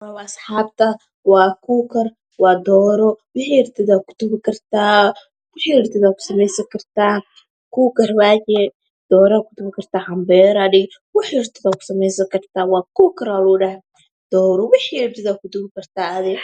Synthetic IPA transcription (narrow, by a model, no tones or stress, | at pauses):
ɐwasħaːbt̪ʰɐ | wɑːkʰuːkʰɐr | wɑːd̪ɔːɾɔwɪħiːɪrt̪ʰɪðakʰʊ̥t̪ʊɣɪkʰɐrt̪ʰaː | wɪħiːɪrt̪ʰɪðaːkʰʊ̥sɐmɛjsɐŋkʰɐrt̪ʰaː | kuːkɐrwaːt͡ʃɛ | d̪̥ɔːɾakʰʊ̥t̪ʊβɪkʰɐrt̪ʰaːħɐmbɛːɾɐɖɪɡ | wɪħiɪrt̪ʰɪðakʰʊ̥sɐmɛjsɐkʰɐrt̪ʰaːwɑːkuːkʰɐɾaluːɖɐh | d̪̥ɔːɾɔwɪħiːɪrt̪ʰɪðaːkʊt̪ʊɡɪkɐrt̪ʰaːɐðɪ